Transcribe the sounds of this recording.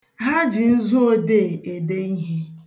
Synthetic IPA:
ɦa˦d͡ʒɪ˨n̩˦zu˦o˦de˦˨e˨de˦i˦ɦe˦

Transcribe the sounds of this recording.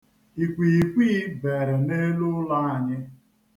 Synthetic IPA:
i˨kʷi˨kʷiː˦be˨ɾɪ˨ne˦lʊ˦la˦a˨ɲɪ˦

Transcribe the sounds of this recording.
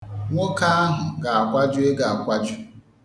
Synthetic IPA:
ŋʷo˦ka˦a˦ɦʊ˨ɡa˨a˨kʷa˦d͡ʒʊ˦e˦ɡa˨a˨kʷa˦d͡ʒʊ˦

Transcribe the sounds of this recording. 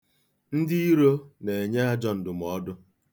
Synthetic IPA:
n̩˦dɪ˦i˦ɾo˦ne˨e˨ɲe˦a˦d͡ʒɔ˦n̩˨dʊ˨m˨ɔ˦dʊ˦

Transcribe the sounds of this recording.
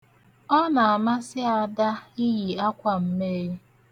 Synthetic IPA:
ɔ˦na˨a˨ma˦sɪ˦a˦˨da˦i˦ji˨a˦kʷa˨m̩˦me˦ɾi˦

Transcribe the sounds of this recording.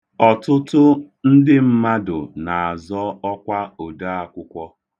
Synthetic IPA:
ɔ˨tʊ˦tʊ˦ | n̩˦dɪ˦m̩˦ma˦dʊ˨na˨a˨zɔ˦ɔ˦kʷa˦o˨da˦a˨kʷʊ˦kʷɔ˦

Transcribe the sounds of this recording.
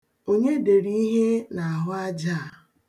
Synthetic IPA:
o˦ɲe˦de˨ɾi˦i˦ɦe˦na˨a˨ɦʊ˦a˦d͡ʒa˦a˨

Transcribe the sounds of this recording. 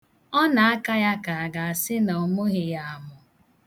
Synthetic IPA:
ɔ˦na˨a˦ka˦ja˦ka˨a˨ɡa˨a˨sɪ˦nɔ˨mʊ˦ɣɪ˨ja˨a˨mʊ˨

